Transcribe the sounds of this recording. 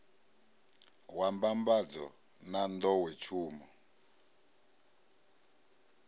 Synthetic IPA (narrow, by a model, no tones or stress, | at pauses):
wambambad͡zɔ̰ | nand̪ɔwɛt͡ʃʰuːmɔ